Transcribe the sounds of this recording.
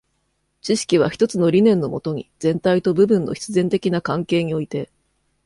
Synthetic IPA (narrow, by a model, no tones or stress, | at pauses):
t͡ɕiɕi̥kʲiβ̞a̰çʲi̥t̪o̞t͡sɨno̞ɾʲinẽ̞nːo̞mo̞̰t̪o̞ɲ̟iz̥ẽ̞nt̪ait̪o̞bɯ̟bɯ̟̃nːo̞̰çʲi̥t͡sɨzẽ̞nt̪e̞kʲinakãŋke̞ːɲ̟io̞it̪e̞